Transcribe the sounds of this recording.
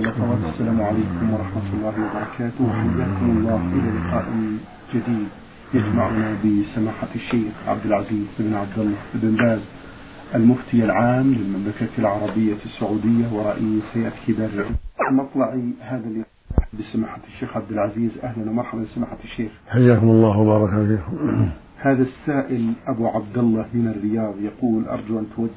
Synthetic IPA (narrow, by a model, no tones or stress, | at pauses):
lɑxɑwaːt̪asːalaːmʕalaːkʊmwɑɾˤɑħmat̪ʊlˤːɑːhɪwɑbɑɾˤɑkʰaːt̪ʊhaħajːaːkʊmɑlˤːɑːʔɪlalɪqɑ̰ːʔɪ | d͡ʒad̪iːd̪ | jad͡ʒmaʕʊnabɪsamaːħaʃːeːxʕa̰b̚d̪ɪlʕaziːzʔɪbnʕab̚d̪ɑlˤːɑʔɪbɪnbaːz | ʔalmʊft̪ɪjalʕaːmlɪlmamlakaːlʕɑɾˤɑbɪjːasːʊʕuːd̪ɪjːawɨɾˤːɑʔiːshajaʔt̪kid̪aɾːɪʕmʔɑt̪ˤlɑʕihaːðalːɪ | ʔaħabːsamaːħaʃːeːxʕab̚d̪ɪlʕaziːzʔahlanwmɑɾˤħabalɪsamaːħaʃːeːxħajːaːkʊmɑlˤːɑːhwabɑːɾˤɑkafiːkʊ | haːðasːaːʔɪlʔabuʕab̚d̪ɑlːɑmɪnarːɪjɑːðˤjɑquːlʔɑ̰ɾˤd͡ʒuʔant̪wad̪ː